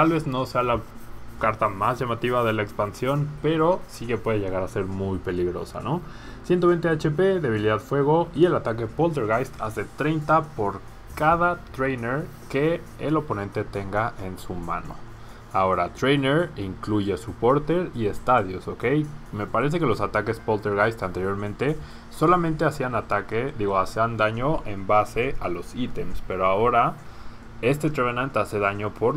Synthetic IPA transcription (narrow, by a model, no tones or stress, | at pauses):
t̪alβe̞zno̞se̞alakaɾt̪amazʝamat̪iβaðe̞lae̞kspansjo̞npe̞ɾo̞sike̞pwe̞ðeʝe̞ɣaɾase̞ɾmujpe̞liɣɾo̞̰sa̰no̞ | sjent̪oe̞jnt̪e̞at͡ʃe̞pe̞ðe̞β̞iliðaðfwe̞ɣ̞o̞ie̞lat̪ake̞po̞lt̪e̞ɾɣajst̪a̰zet̪ɾe̞jnt̪apo̞ɾ | kaðat̪ɾejneɾ | ke̞ː | lo̞po̞nẽ̞nt̪e̞t̪e̞ŋɡaʔe̞nsumã̰no̞̰ | ao̞ɾat̪ɾejneɾiŋkluʝe̞supo̞ɾt̪e̞ɾie̞st̪aðjoso̞ke̞jme̞paɾe̞s̬e̞ke̞lo̞sat̪ake̞spolt̪e̞ɾɣajst̪ant̪e̞ɾjo̞ɾmẽnt̪e̞ | so̞lamẽnt̪e̞asianat̪ake̞ðiɣo̞asiand̪aɲo̞ʔe̞mbase̞ʔalo̞sit̪e̞mspe̞ɾoao̞ɾa | e̞st̪e̞t̪ɾenãnt̪ase̞ðaɲo̞pʰoɾ